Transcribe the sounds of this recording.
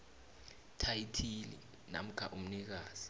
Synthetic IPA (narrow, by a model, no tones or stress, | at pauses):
tʰajitʰilḭ | na̰m̩kʰa̰ʔum̩nik̬aːz̥i̥